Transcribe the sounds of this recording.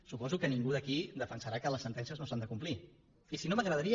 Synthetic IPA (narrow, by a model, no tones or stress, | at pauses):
supɔzukəniŋɡuðəkid̪əfənsəɾakələsːənt̪ɛns̬iəznosand̪əkumpli | isinoməɣɾəðəɾi